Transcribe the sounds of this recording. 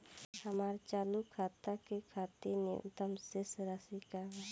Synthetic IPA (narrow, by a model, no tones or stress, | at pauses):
həmaɾt͡ʃaːlukʰat̪akekʰat̪iɾneʔṵt̪əmsesɾasikaɦ